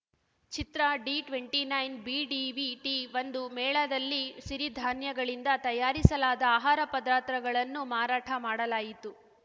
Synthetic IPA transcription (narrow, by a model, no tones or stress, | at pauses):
t͡ʃit̪ɾɐɖiʈʋeɳʈinɐjnbiːɖiʋiʈiʋɐnd̪umɛːɭɐd̪ɐlːiʃiɾid̪ʱaːnjɐɡɐɭind̪ɐt̪ɐjaːɾisɐlaːd̪ɐaːɦaːɾɐpɐd̪ɾaːt̪ɾɐɡɐɭɐnːumaːɾaːʈʰɐmaːɽɐlaːjit̪u